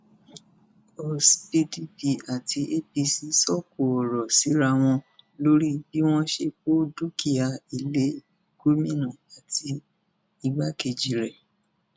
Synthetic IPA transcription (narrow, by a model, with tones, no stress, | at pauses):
o˨spi˧di˦bi˨a˨ti˧ʔe˦bi˧si˧sɔ˦˨ko˨ɔ˨ɾɔ˨si˨˦ɾa˧w̃ɔ̃˧lo˦ɾi˦bi˦w̃ɔ̃˦ʃe˧k͡po˦du˦ki˦a˨i˨le˨˦ | ɡ̥u˦mĩ˦nã˨a˨tʰi˧ | i˧ɡ͡ba˦ke˨d͡ʒi˨ɾɛ˨